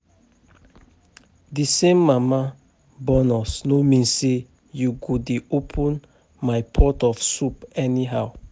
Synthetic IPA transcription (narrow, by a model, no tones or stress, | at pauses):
disẽmːama | bɔnɔsnomĩnse | juɡudiopʰə̃n | majpʰɔtɔfsupɛniɦaw